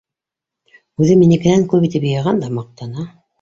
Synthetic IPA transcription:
ʉðɘminikɘ̆næŋkɵpit̪ɘpjɑjɑʁɑnd̪ɑmɑq̚t̪ɑnɑ

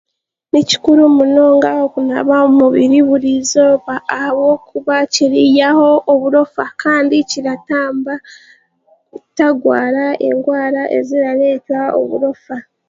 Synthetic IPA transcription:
nici̥kuɾumuno̞ːŋɡaokuna̰βaumuβiɾiβuɾizo̞ːβaːhaβwo̞kuβaciɾijaho̞ʔoβuɾo̞fakaːndiciɾataːmba | taɡwa̰ːɾae̞̰ŋɡwaːɾaʔe̞̰ziɾaɾe̞ːtao̰βuɾo̞fa

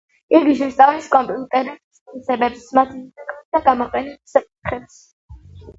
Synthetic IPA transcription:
iɡiʃɛst̪ʼaviskʼɔmpʼiut̪ʼɛɾɛbsʼ | isɛbɛpsmat̪ʰiɛkʼat̪d̪aɡamɔqʼɛnɛt̪sakʼit̪ʰχɛps

